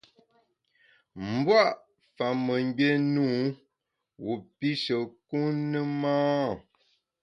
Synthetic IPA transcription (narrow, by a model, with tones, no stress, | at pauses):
m̩˨bwa˦ʔ | fa˨mə˨ŋ˦be˦nu˦ | wu˨pi˦ʃə˨ku˦nə˦maː˦˨